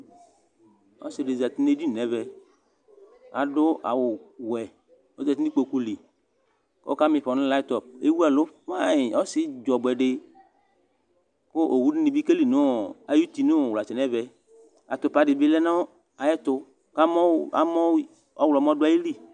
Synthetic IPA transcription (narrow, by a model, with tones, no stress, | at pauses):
ɔ̰˦si˨de˨za˨t̪i˦ne˦d͡ʒi˦˨nɛ˨vɛ˨ | a̰˨dʊ˦ʔa̰˨wʊ˨wɛ˨ | ɔ˦za˨t̪i˦i˦k͡po˨ku˦li˨ | kɔ̰˦ka˦mɪ̃˨ɸɔ˨nʊ̃˦la˦t̪ɔ˨p̚ḛ˦wu˦a˨lʊ˦ma˦ɪ˨ɔ˦sɪ˦d͡ʒɔ˨ɡ͡bɛ˨ɖɪ˦ | kʊ˦ʔo˨wu˦nɪ˦nɪ˨bi˦ke˦li˨nʊ˦˨a˨ju˦t̪i˨nʊ˦˨wla˨t͡ʃɛ˨nɛ˦vɛ˨ | a̰˨t̪ʊ˨pa˨dɪ˨bɪ˦lɛ˦na˦ | a˨jɛ˦t̪ʊ˦ | ka˦mɔ˦a̰˦mɔ˦ | ɔ˦wlmɔ˦dʊ˦a˨ji˦li˦˨